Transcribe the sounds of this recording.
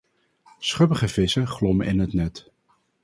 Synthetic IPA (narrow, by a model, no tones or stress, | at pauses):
sχøpəχəv̥ɪsəχlɔməʔɪnɦətnɛt